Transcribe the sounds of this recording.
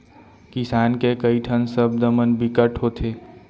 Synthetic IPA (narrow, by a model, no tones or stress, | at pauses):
kɪsaːnkekəiʈʰənsəb̚d̪əmənbɪkəʈɦoːt̪ʰeː